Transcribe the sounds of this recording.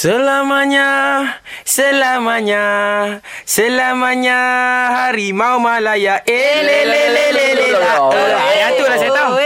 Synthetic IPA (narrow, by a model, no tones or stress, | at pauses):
səlamaɲa | selamaɲa | selamaɲaɦaɾimaomalajaʔeleleelelaaajat̪ulaset̪a